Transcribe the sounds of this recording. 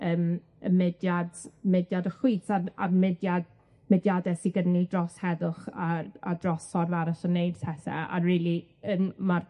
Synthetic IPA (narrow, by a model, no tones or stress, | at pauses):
əːm | əmɛdjadmɪdjadəχwisaamɛdjad | mɛdjadɛsiɡədnidrɔshɛðʊχaa̰drɔsɔrvaɾaɬənejd̥tʰɛsɛ̰a̰riːlˠiəːnmar